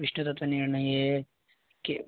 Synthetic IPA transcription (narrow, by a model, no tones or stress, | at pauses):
iʂnut̪ɐt̪ʋɐniɾɳɐjeː | ke